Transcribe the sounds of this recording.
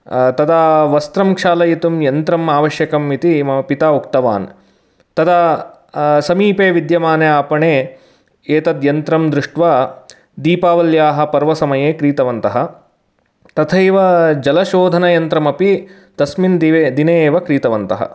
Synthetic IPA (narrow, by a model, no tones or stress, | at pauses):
t̪ɐd̪aʋɐst̪ɾɐmkʂaːlɐjit̪umjɐnt̪ɾɐmaːʋɐʃjɐkɐmːit̪imɐɐpit̪aːukt̪ɐʋa̰ːn | t̪ɐd̪ɐ | sɐmiːpeːʋid̪jɐmaːneaːpɐɳeː | eːt̪ɐd̪jɐnt̪ɾɐmd̪ɾɪʂʈʋaː | d̪iːpaːʋɐljaːɦɐ̆pɐɾʋɐsɐmɐjeːkɾiːt̪ɐʋɐnt̪ɐɦɐ | t̪ɐt̪ʰɐjʋɐd͡ʒɐlɐʃoːd̪ʱɐnɐjɐnt̪ɾɐmɐpi | t̪ɐsmind̪ʋd̪ineːʋɐkɾiːt̪ɐʋɐnt̪ɐɦɐ̰